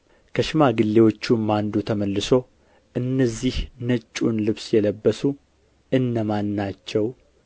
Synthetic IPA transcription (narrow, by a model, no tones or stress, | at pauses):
kʰəʃɪmaɡɨlːe̞wo̞t͡ʃːumːand̪ut̪ʰəməlːɨso̞ | ʔɨnːəzːihnət͡ʃʼːunlɨβsjɛləbːəsu | ʔɨnːəmanːat͡ʃːɛw